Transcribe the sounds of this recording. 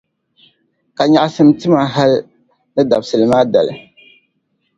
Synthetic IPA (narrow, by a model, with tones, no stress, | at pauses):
ka˨ɲa˨ʔa˦sɨ˦m˦tɨ˦ma˨ɦa˦l | nɨ˦da˨bsɨ˨lɨ˨maː˦da̰˨lɨ̰˨